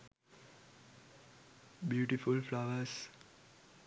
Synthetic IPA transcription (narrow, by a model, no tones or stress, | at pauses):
bjuːʈifulflaʋəs